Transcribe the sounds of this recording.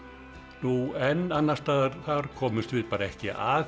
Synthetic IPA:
nuɛnːanːast̪aːðaɾ̥θaɾkʰɔːmʏst̪vɪðpaːɾaɛhcɪ̰ʔa

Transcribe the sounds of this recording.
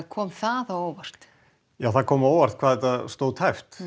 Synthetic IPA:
kʰɔːmθaðaoːwvar̥t̪ | jaːwθaðkʰɔːmoːwvar̥t̪̚kʰvaːðɛt̪ast̪owðt̪ʰajft̪

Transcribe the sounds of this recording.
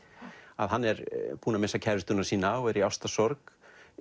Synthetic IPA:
aðɦanːɛɾpuːnamɪnsacʰɛɾɪst̪ʏnasiːnaɔɛɾiawst̪asɔɾk

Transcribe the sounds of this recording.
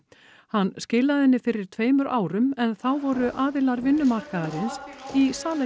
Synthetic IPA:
hanːscɪːlaðɪnːɪfɪɾɪɾ̥t̪ʰveːjmʏɾʔaːwɾʏmɛnθawvɔɾʏʔaːðɪlaɾvɪnːʏmar̥kaðaɾɪnsisaːle

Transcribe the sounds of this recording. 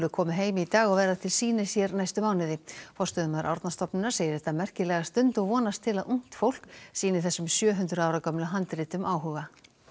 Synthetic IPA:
lʏkʰɔːmɪɦeːjmɪit̪aːɣɔɣvɛːɾat̪ʰɪlsiːnɪsjɛɾnajst̪ʏmaːwnɪðɪfɔr̥st̪ʏðʏmaðɾʔa̰wɾt̪nast̪ɔpnɪnaɾ̥seːjɪɾɛht̪amɛr̥cɪlɛɣast̪ʏnt̪ɔɣvɔːnast̪ʰːɪlaðuŋ̥t̪fowl̥ksiːnɪθɛsːʏmsjœːɦʏnt̪ɾʏaːwɾakœmlaɦant̪ɾɪːt̪ʏmʔaːwɦʏːɣa

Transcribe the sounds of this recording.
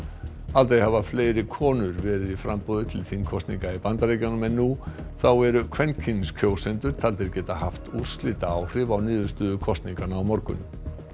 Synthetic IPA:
alt̪ejhavafleːjɾɪkʰɔːnʏɾvɛːɾɪðifɾampɔðʏt̪ʰɪlθinkʰɔst̪niŋkaipant̪aɾejcanʏmɛnːuθawɛɾʏkʰvɛncʰinskʰoːwsɛnt̪ʏɾ̥t̪ʰalt̪ɪɾcɛːt̪ahaft̪ur̥slɪːt̪aawr̥ɪvawniːðʏst̪ʏːðʏkʰɔst̪niŋkanaːwmɔɾkʏ̰n

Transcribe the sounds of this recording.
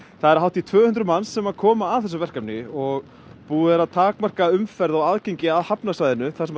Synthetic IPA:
θaðɛɾaɦawht̪it̪ʰvœːhʏnt̪ɾʏmansːɛmaðkʰɔːmaːðθɛsʏvɛr̥kapnɪɔɣ | puːðɪɾaðt̪ʰaːkmar̥kaʏmfɛɾðawaðcejɲcɪaðhapnasajðɪnʏθḁsɛm

